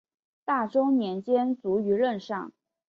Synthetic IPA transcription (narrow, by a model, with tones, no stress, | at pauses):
t̪a˥˩ʈ͡ʂʊ˥ʊnjɛ˧˥nt͡ɕjɛ˥nt͡su˧˥y˧˥lə˥˧nʂɑ˥˩ŋ